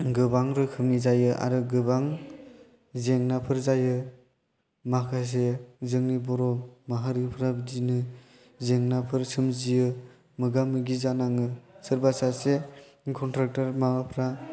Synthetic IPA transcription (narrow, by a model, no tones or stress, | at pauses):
ɡɯbaŋɾɯkʰɯmnizajɯʔa̰ɾɯɡɯbaŋ | zeŋnapʰɯɾzajɯ | makʰas̬ezɯŋnibɔɾɔmaɦaɾipʰɾabdinɯ | zeŋnapʰɯɾsɯmzijɯ | mɯɡamɯɡizanaŋɯsɯɾbasase | kʰɔntɾak̚taɾmaapʰɾa